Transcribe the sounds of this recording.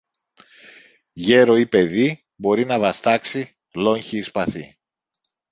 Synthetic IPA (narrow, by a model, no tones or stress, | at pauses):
ʝe̞ɾo̞ipe̞ði | bo̞ɾinɐvɐst̪ɐksi | lo̞ɲçiːspɐθi